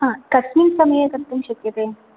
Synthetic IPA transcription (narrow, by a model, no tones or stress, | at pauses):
ɦãːkɐsmiŋsɐmɐjekɐɾt̪umɕɐkjət̪e